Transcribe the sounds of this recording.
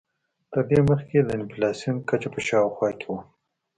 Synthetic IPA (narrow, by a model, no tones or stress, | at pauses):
t̪əɾd̪eməxked̪əɪnfilɑsjunkat͡ʃapəʃɑwxwɑkewa